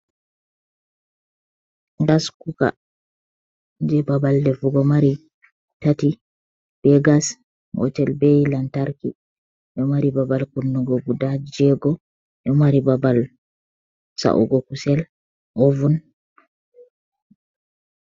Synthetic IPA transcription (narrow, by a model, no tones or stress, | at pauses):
ɡaskuka̰ | d͡ʒɛbabaldɛfuɡɔmaɾi | tati | b̥ɛɡas | mɔ̰tɛlbɛjilantaɾkḭ | ɗɔmaɾibabalkunːuɡɔɡudad͡ʒɛɡɔ | ʔɔmaɾibabal | sa̰ʔṵɡɔkusɛl | ʔovun